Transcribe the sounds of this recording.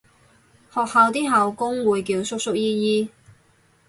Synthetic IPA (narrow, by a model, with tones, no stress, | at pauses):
hɔː˨k̚haː˨˧wt̪iː˥ɦɐ˨wkʊ˥ŋwuː˨jk̬iː˧wsʊ˥k̚sʊ˥k̚jiː˥jiː˥